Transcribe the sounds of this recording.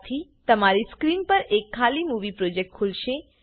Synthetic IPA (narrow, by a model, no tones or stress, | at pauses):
t̪ʰit̪əmaɾiskɾinpəɾekʰːalimuʋipɾod͡ʒek̚ʈ̚kʰulʃe